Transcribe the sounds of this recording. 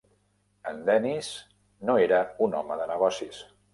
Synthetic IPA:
ənd̪ɛniz | noeɾəunɔ̰məðənəɣ̞ɔsis

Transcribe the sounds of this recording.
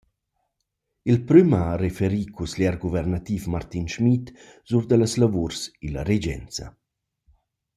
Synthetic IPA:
ilpɾymarefeɾikusljɛɾɡuvɛrnat̪ifmart̪inʃmit̪ | z̥uɾd̪əlaslavuɾsila̰ɾed͡ʒɛ̰nt͡sa̰

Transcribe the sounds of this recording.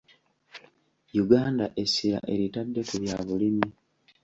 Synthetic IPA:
juɡaːndaʔe̞siɾa̰ʔe̞ɾitadːe̞kuβjaːβulimi

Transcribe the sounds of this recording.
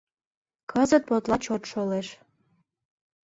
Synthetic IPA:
kʰəzət̪̚pot̪lɑt͡ɕot̪ʃoleʃ

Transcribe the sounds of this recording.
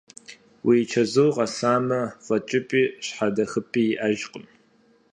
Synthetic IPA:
wʔit͡ʃʰɐzuwqɐsaːmɐfʼɐt͡ʃʼɪpʼiːɕħadɐxɨpʰʼiːjɪʔaʒqʼəm

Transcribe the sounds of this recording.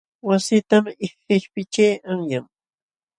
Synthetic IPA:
wasɪt̪amɪ | ɪʃpɪt͡ʃejaŋjaŋ

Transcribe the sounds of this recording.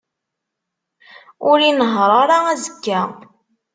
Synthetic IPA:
ʊɾinəɦɾˤɑɾˤɑæzəkːæ

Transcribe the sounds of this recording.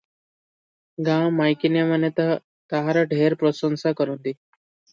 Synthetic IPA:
ɡãwmajkinjamanet̪a | t̪aɦaɾaɖʱeɾpɾosənsakəɾund̪i

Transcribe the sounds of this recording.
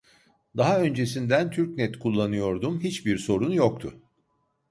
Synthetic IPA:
d̪aɦaø̞nd͡ʒe̞sind̪ænt̪ʰyɾcnɛt̪kʰulˠːanɯjo̞ɾd̪umɦit͡ʃbiɾso̞ɾunjok̚t̪ʰʊ̰

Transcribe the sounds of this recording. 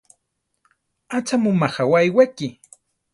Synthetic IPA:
at͡ʃamʊmaχawajwakɪ

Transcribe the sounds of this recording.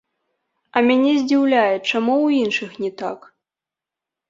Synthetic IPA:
ɐmʲanʲɛzʲd͡zʲiwlʲajɛt͡ʂamuwinʂɨxnʲɛt̪a̰k

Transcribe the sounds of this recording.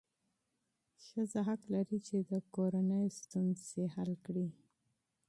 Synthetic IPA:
xəzaɦaklaɾit͡ʃed̪əkoɾanəjost̪unzehalkɽi

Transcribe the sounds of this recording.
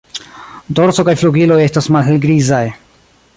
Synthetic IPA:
do̞ɾso̞kajfluɡilo̞je̞stasmalɦe̞lɡɾizaj

